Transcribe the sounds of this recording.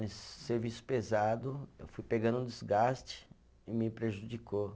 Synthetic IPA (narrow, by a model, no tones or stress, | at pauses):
sːeɾvisʊ̥pezad̪ʊḛwfujpeɡɐ̃nũd͡ʒizɡast͡ʃɪ̥ | ɪmɪpɾeʒud͡ʒiko